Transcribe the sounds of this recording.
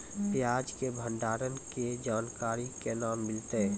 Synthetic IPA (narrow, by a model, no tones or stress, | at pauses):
pjaːd͡ʒkebʱə̃nɖ̪aːɾənked͡ʒaːnkaːɾikenaːmːɪlt̪e